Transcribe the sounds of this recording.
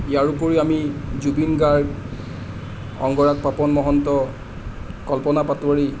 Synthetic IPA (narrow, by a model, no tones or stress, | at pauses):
ijaɹupoɹiamizubinɡaɹɡ | ɔ̰ŋɡɔɹak̚papɔnmɔɦɔntɔ | kɔlpɔnapatuwaɹi